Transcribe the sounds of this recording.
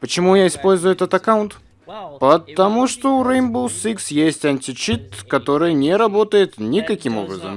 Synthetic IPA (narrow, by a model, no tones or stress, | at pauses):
pət͡ɕɪmujaɪspo̞lʲzʊjʊɛt̪ət̪ɐkawʊnt̪ | pət̪ɐmuʂt̪oʊɾejmbusiksjesʲtʲɐnʲtʲɪt͡ɕit̪kɐt̪o̞ɾɨjnʲɪɾɐbo̞t̪əjɪt̪nʲɪkɐkʲimo̞̰bɾəzə̰m